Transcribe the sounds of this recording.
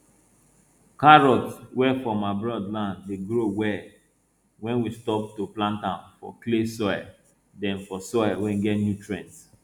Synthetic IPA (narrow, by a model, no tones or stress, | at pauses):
kaɹɔtwɛfɔmaɪbɹɔdlãndleɡɾowɛ | wɛ̃nwistɔp̚toplãntãnfɔ̰klesɔja̰ | dɛ̃nfɔsɔɪawɛ̃nɡɛtnjutɹɛ̃ns